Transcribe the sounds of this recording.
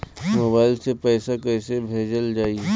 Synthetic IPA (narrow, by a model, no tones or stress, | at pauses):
moːbaːɪlsepɛːsakɛːsebʱeːd͡ʒəld͡ʒaːi